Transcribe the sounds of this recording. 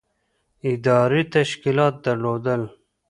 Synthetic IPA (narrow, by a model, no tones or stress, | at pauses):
ɪd̪ɑːɾit̪aʃkilɑːt̪̚d̪ɐɾlod̪əl